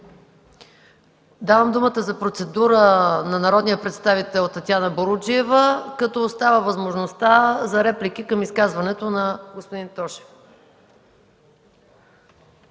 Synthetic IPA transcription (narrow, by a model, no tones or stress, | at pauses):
d̪avəmd̪umət̪əzɐpɾot̪sɛd̪uɾənɐnɐɾɔd̪nijəpɾɛt̪st̪avit̪ɛlˠt̪ːɐt̪ʲjanəboɾud͡ʒiɛvəkɐt̪ɔːst̪avəvɐzmoʒnost̪azɐɾɛplik̟ikəmiskazvɐnɛt̪onɐɡospod̪int̪ɔʃɛ̥f